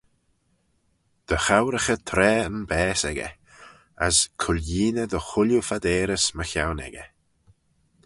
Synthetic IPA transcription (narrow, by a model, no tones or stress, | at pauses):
d̪̥əxawɾəxət̪ʰɾɛːənbɛːsɛɡə̰ | ə̰skʰʊljiːnəd̪əxʊljufad̪ɛːɾəsməçawnɛ̰ɡə̰